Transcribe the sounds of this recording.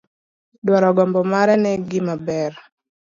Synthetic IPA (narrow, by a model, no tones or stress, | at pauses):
ɗwaɾɔɡɔmbɔmaɾɛnɛɡimabɛɾ